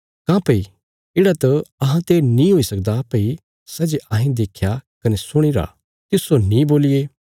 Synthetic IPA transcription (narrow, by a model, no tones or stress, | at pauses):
kãːpɐi | ɪːɽat̪ɐɐɦãt̪enĩɦoisɐk̚d̪apɐi | sɐd͡ʒeʔɐːɦĩd̪eːkʰjakɐnesʊɽ̃iɾa̰ | t̪ɪsonĩboːlɪjeː